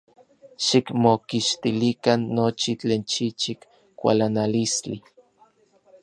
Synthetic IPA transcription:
ʃikmokiʃt̪ilikanːot͡ʃit͡ɬeːnt͡ʃit͡ʃik | kʷa̰lanalist͡ɬi

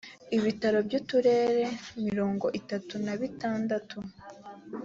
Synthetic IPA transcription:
iβitaɾo̞bɟuːtuɾe̞ːɾe̞miɾo̞ːŋɡo̞ʔitatunaβitaːndatu

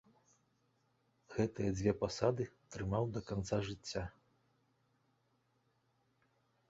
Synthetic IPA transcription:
ɣɛt̪ɨjɐd͡zʲvʲɛpasad̪ɨt̪ɾɨmawd̪ɐkant̪saʐɨt͡sʲːa

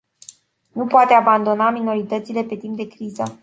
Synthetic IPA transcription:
nupoat̪eaband̪o̞namino̞ɾit̪ət̪sile̞pe̞t̪imp̚d̪e̞kɾizə

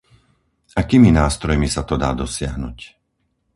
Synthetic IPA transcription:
akiːminaːst̪ɾɔjmisat̪ɔd̪a̰ːd̪ɔsɪaɦnuc

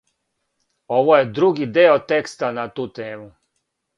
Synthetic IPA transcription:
o̞ʋoje̞d̪ɾuɡid̪eːot̪e̞kst̪anat̪uːt̪eːmu

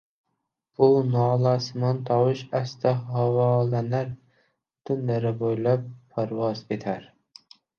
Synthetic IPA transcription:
b̥unɑːlˠɑːsɨmɑnt̪ʰɑwɨʃɛst̪ʰɛɦɑwɑlɛnæɾ | t̪ʰynlæɾɛbojlˠɑpʰːæɾwɑzet̪ʰæɾ

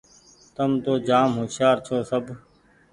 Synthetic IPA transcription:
t̪əmt̪oːd͡ʒaːmɦoːʃaːɾt͡ʃʰoːsəb

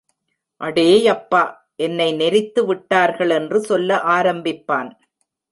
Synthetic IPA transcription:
ʔɐɽeːjɐpːaː | ʔɛnːɐɪnɛɾɪt̪ːɯʋɪʈːaːɾɣɐɭɛndrɯsɔlːɐʔaːɾɐmbɪpːaːn

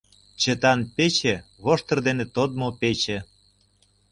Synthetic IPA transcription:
t͡ɕet̪ɑnpet͡ɕeβoʃt̪ɤ̆rd̪enet̪od̪̚mopet͡ɕĕ

